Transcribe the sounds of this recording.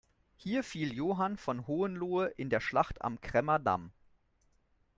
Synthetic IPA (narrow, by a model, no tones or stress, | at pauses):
hiːɐfiːljoːɦanfɔnɦoːənluːəʔɪndeːɐʃlaχta̰mkʁ̥ɛmɐda̰m